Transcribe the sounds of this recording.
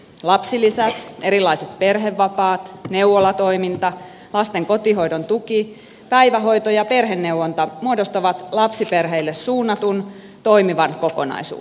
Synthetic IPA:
lɑpsilisæt̪eɾilːˑɑiset̪̚perɦeʋːɑpɑːt̪neuʋolɑt̪oimint̪ɑ | lɑst̪eŋkot̪iɦoidont̪uki | pæiʋæɦo̞it̪ojɑperɦenːewwont̪ɑmuodost̪ɑʋɑt̪lɑpsiperɦeilːessuːnːɑt̪un | t̪o̞imiʋɑnkokonɑ̰isṵː

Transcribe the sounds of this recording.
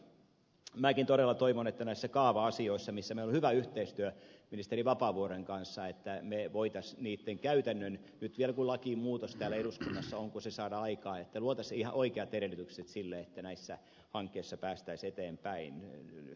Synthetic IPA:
mæːkint̪oɾelːɑt̪oiʋonet̪ːænæisːækɑːʋɑɑsioisːɑmisːæmeilohyʋæyht̪eist̪yøminist̪eriʋɑpɑːʋuoɾeŋkɑnsːɑet̪ːæmeʋoit̪ɑsniːt̪ːeŋkæyt̪ænːøn | nyt̪ʋielkulɑkiːmuːt̪ost̪æːlæeɾuskunːɑsːɑoŋkusesɑːdɑɑikɑːet̪ːæluot̪ɑsihɑʔoikeɑt̪eɾelyt̪ykset̪silːeet̪ːænæisːæ | hɑŋkːeisːɑpæːst̪æiset̪eːmpæin

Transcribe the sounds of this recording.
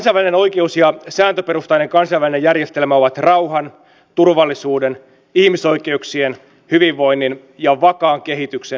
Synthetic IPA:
nsɑjʋæline̞no̞jke̞usjɑsæːnt̪øpe̞ɾust̪ɑjne̞ŋkɑnsɑjʋæline̞jærje̞st̪elmæo̞ʋɑt̪rɑwhɑn | t̪urʋɑlːisuːde̞n | ihmiso̞jke̞uksien | hyʋiʋːo̞inːin | jɑʋɑkɑːŋk̟e̞ɦit̪ykse

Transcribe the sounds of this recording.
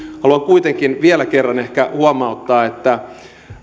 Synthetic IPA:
hɑluɑŋkuit̪eŋkinʋielækerːɑnehkæ̰huɑmɑut̪ːɑːet̪ːæ

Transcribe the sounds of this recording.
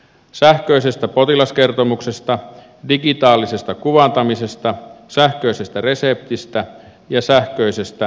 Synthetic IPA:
sæhkøisest̪æpot̪ilɑske̞rt̪omukse̞st̪ɑ | dikit̪ɑːlːisest̪ɑkuʋɑnt̪ɑmise̞st̪ɑsæhkøise̞st̪ære̞sep̚t̪ist̪æ | jɑsæhkøise̞st̪æ

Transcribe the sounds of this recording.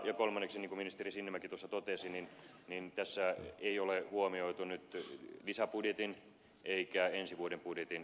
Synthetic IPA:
jɑkolmɑnːekseniŋkuminist̪erisinːemːækit̪uosːɑt̪ot̪esinin | nint̪æsːæeiolehuomioit̪unyt̪lisæpudjet̪in | eikæensiʋuodempudjet̪in

